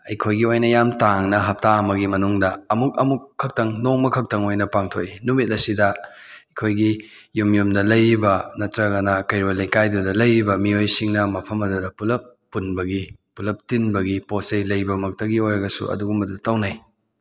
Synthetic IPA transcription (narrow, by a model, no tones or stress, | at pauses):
ɐjkʰojɡiojnɐjamtaŋnɐɦɐp̚taɐmɐɡimɐnuŋdɐɐmuk̚ɐmukʰːɐk̚tɐŋnoŋmɐkʰɐk̚tɐŋojnɐpaŋtʰoinumit̚ɐsidɐ | ɐkʰojɡi | jumjumdɐlɐjɾibɐnɐtɾɐɡɐnɐkɐjɾolɐjkajdudɐlɐjɾibɐmiojsiŋnɐmɐpʰɐmɐdudɐpulɐpːunbɐɡipulɐp̚tinbɐɡiposejlɐjbɐmɐk̚tɐɡiojɾɐɡɐsṵɐ̰duɡumɐdutɐwnaj